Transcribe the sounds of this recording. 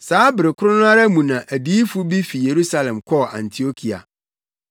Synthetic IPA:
saː˨˦bɪ˨ɾɪ˨kʰʊ˦ɾʊ˦nʊ̃˦a˦ɾa˦mũ˨nã˨ʔæ˨bi˦i˦fu˦bi˦fi˨je˨ɾu˦sa˦lɛ̃˨mkʰɔ˦˨ã̰˨ntʰi˨o˦kʰi˨a̰˨

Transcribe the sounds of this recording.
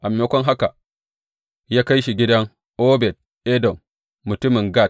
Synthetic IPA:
ʔa˨m˨jo˦kʷɔ˦ŋɦa˦ka˨ | jaː˦ka˦jʃi˨ɡʲɪ˦dɐ˦ŋ | ʔo˦bɛ˨t̚ | e˦dɔ˨mː | u˨tu˦mi˨ŋɡa˦˨

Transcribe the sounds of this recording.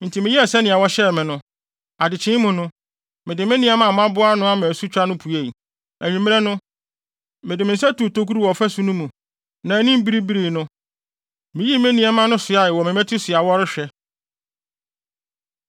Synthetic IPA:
n̩˨tʰi˨mɪ̃˨˦ji˦ɛ˨sɛ˦nɪ̃˨a˨wɔ˦ɕɛ˦˨mɪ̃˨nʊ̃˦ | a˨dɪ˨t͡ɕʰɪ̃˦mʊ̃˨nʊ̃˦ | mɪ̃˨dɪ˨mɪ̃˦nĩ˦ɛ˦mã˨m˦ã˦bʊ˦a˦nʊ̃˦a˦mɪ̃˨æ˨su˦t͡ɕᶣa˦nʊ̃˦pʰu˨e˦˨i˨ | æ˨ɲĩ˨m̃˦ɛ˦nʊ̃˦ | mɪ̃˨dɪ˨mɪ̃˨n̩˨sɛ˦tu˨to˦ku˦ɾu˦wɔ˨fæ˦su˦nũ˦mũ˨ | nã˨æ˨˦nĩ˦m˦bi˦ɾi˦bi˦ɾi˨nʊ̃˦ | mɪ̃˨ji˦mẽ˦nĩ˦ɛ˦mã˦nʊ̃˦sʊ˨a˦˨ɪ˨wɔ˨mɪ̃˨mɛ̃˦tʰu˦sɪ˨a˨wɔ˦ɾɪ˦ɕᶣɛ˦

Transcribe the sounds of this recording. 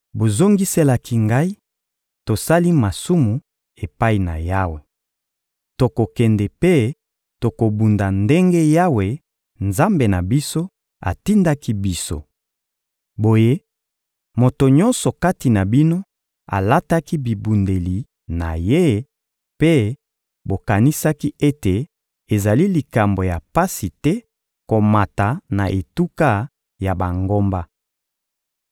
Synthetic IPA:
bo˨zo˦ŋɡi˦se˦la˦kʰi˦ŋɡa˦i˦ | to˨sa˦li˦ma˨su˦mu˨ | e˨pa˦i˨na̰˨ja˦we˨ | to˨ko˨kɛ˨ndɛ˨pe˦ | to˨ko˨bu˨nda˨nde˦ŋɡe˦ja˦we˨ | nza˦mbe˨na˨bi˦so˦ | a̰˨ti˦nda˦ki˦bi˦so̰˦ | bo˨je˦ | mo˨to˨ɲɔ̃˦nsɔ˨ka˦ti˨na˨bi˦no˦ | a̰˨la˦ta˦ki˦bi˨bu˨nde˨li˨ | na̰˨je˦ | pe˦ | bo˨ka˨ni˦sa˦ki˦e˦te˨ | e˨za˨li˦li˨ka˨mbo˨ja˨pa˦si˨tɛ˦ | ko˨ma˨ta˨na˨ʔe˨tu˦ka˦ | ja˨ba˨ŋɡo˦mba˦

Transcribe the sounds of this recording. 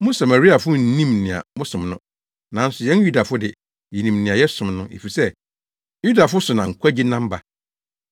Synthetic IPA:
mʊ̃˦sa˨ma˨ɾi˦a˨fʊ˦n̩˦nĩ˦mnɪ̃˨a̰˨mʊ̃˦sʊ̃˨mnʊ̃˦ | nã˨n̩˦sʊ˨jɛ̃˦nju˦da˨fʊ˦dɪ˨ | jɛ˨nĩ˨mnɪ̃˨a˨jɛ˦sʊ̃˨mnʊ̃˦ʔḛ˨fi˨sɛ˦ | ju˦da˨fʊ˦sʊ˨nã˨ŋ̩˨kʰʷa˦d͡ʑi˦nã˦m˦ba˨

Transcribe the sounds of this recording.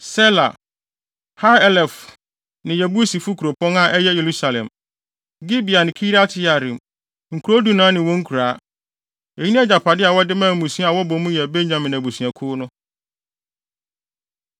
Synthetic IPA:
sɛ˦la̰˨ | ha˦ɛ˦lɛ˨f | nɪ̃˨jɛ˨bu˦e˦si˨fu˦kʰu˨ɾo˨pɔ̃˦na˦˨ʔɛ˦jɛ˦je˨ɾu˦sa˨lɛ̰̃˨m | ɡi˦bi˨a˨nɪ̃˨kʰi˦ɾa˦tʰɪ˦ja˨ɾĩ˨m | ŋ̩˨kʰu˨ɾo˦du˨nãː˨˦nɪ̃˨wɔ̃˦ŋ̩˦kʰu˨ɾaː˨˦ | e˨i˦nĩ˦ɛ˦d͡ʑa˨pʰa˨dɪ˦a˨wɔ˦dɪ˦mãː˦˨mũ˨sĩ˦a˨wɔ˦bɔ̃˨mũ˦jɛ˨be˦ɲ˦ã˨mɪ̃˨n˨æ˨bu˨su˨a˨kʰʊː˦nʊ̃˦

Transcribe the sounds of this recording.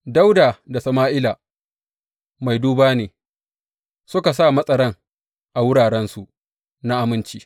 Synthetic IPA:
da˦wdaː˨da˨sɐ˨maː˦ʔɪ˦laː˨ | ma˨jduː˦baː˦neː˨ | sʊ˦ka˨s̬aː˦˨mɐ˦sʼɐ˦ɽɐ˦ŋ | ʔa˨wʊ˦ɽaː˨ɽɛ˦nsu˨ | na˦ʔa˨mɪ˦nt͡ʃiː˦

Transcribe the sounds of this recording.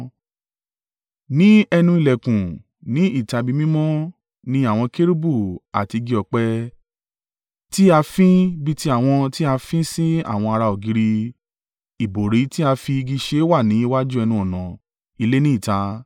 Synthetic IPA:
nĩ˦ɛ˧nũ˧˦i˨lɛ˨kũ˨ | nĩ˦i˦˨ta˧bi˧mĩ˦mɔ̃˦ | nĩ˦a˦˨w̃ɔ̃˧ke˦ɾi˦bu˦˨a̰˨ti˧ɡi˧ɔ˨k͡pɛ˧ | ti˦a˧fĩ˦bi˧ti˦a˦˨w̃ɔ̃˧ti˦a˧fĩ˦si˦a̰˦˨w̃ɔ̃˧a˧ɾa˧o˨ɡi˨˦ɾi˧ | i˨bo˨ɾi˨˦ti˦a˧fi˧ɡi˧ʃe˦wa˦˨nĩ˨˦i˦wa˦d͡ʒu˦ɛ˧nũ˧˦ɔ˨nã˨ | i˧le˦nĩ˦i˦˨ta˧

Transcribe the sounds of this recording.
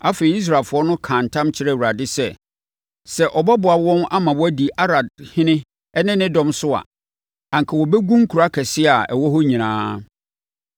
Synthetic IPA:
a˦fe˨i˨˦i˦s̬ɾaː˨fʊ˨˦ɔ˦nʊ̃˦kʰã˨n̩˨tʰã˦mt͡ɕʰɪ˦ɾɛ˦˨wu˨ɾa˨dɪ˦sɛ˦˨ | sɛ˨ʔɔ˨bɔ˦bʊ˨a˨wɔ̃˦na˦mã˨wɔ˦æ˦di˨ʔa˦ɾa˨dhɪ̃˦nɪ̃˦ | ɛ˦nɪ̃˦nɪ̃˦dɔ̃˦msʊ˦a̰˨ | ã˨ŋ˨kʰɛ˨wɔ˨bɛ˦ɡũ˦ŋ̩˦kʰu˨ɾa˦kʰɛ˨sɪ˦a˨ɛ̰˨wɔ˦ɦɔ˦ɲĩ˨nãː˦

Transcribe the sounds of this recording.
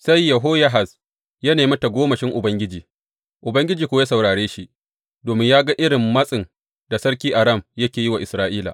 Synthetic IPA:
sa˦jːɐ˨ɦoː˦ja˦ɦa˨s | ja˦neː˨mɐ˦ta˨ɡʷoː˦mɐ˨ʃɪ˦ŋʔʊ˨bɐ˦ŋɡʲɪ˦d͡ʒiː˨ | ʔʊ˨bɐ˦ŋɡʲɪ˦d͡ʒiː˨kʷoː˦je˦sɐ˨wɽaː˨ɽeː˦ʃi˦ʔ | doː˨mɪ˦ɲjaː˦ɡa˦ʔɪ˦ɽɪ˨mːɐ˦sʼɪ˨n | d̥a˨sɐ˦ɽkʲiː˦ʔa˨ɾɐ˦˨mjɐ˦kʲeː˨ji˦wa˨ʔɪ˨sɾaː˦ʔiː˦la̰ː˨ʔ

